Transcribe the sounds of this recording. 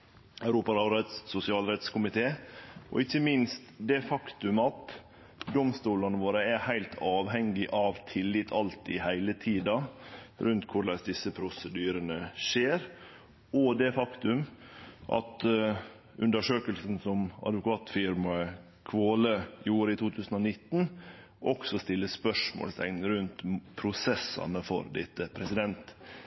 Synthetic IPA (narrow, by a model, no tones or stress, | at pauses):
æʉɾuːpɑɾɑʊɾɛt̪ssʊsɪɑːlɾɛt̪skʰʊmɪt̪ʰeːʔɔ̰ɪçːəmɪnst̪d̪ɛfɑkt̪ʉmɑt̪ | d̪ɔmst̪uːlɑnəʋoːɾəæhæɪlt̪ʰɑːʋɦɛŋːɪʔɑʋt̪ʰɪlːɪt̪ʰɑlt̪ɪhæɪlət̪ʰiːd̪ɑɾʉnt̪kʰʊɾɭɛsd̪ɪsːəpʰɾʊsəd̪yːɾənəʂeːɾ | ɔd̪ɛfɑkt̪ʉmʔɑ̰t̪ | ʉnd̪əʂøːkəlsn̩sɔmɑ̰d̪ʋʊkʰɑːt̪fɪɾmɑə | kʰʋoːləjuːɾəɪt̪ʰuːt̪ʰʉːsən̩ɔnɪt̪ːn | ʔɔksɔst̪ɪlːəspœʂmo̰ːlst̪ɛ̰ŋnŋɾʉnt̪pʰɾʊsɛsːɑ̰nəfɔ̰ɾd̪ɪ̰t̪ːəpʰɾɛsɪd̪ɛnt̪